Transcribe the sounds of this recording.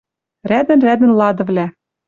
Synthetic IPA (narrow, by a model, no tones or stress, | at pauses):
ræd̪ɘ̆nræd̪ɘ̆nlˠɑd̪ɤ̆vlʲæ